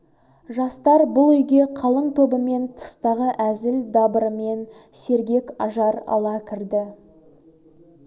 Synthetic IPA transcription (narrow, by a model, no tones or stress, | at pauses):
ʒɑst̪ɑɾbʊlˠʏjɡʲe̞qʰɑlˠəɴt̪ʰo̞bəme̞nt̪ʰə̥st̪ɑʁəʔæzɪld̪ɑbɾəme̞nse̞ɾɡʲe̞kɑʒɑɾɑ̰lˠɑkʲʰɪɾd̪ɪ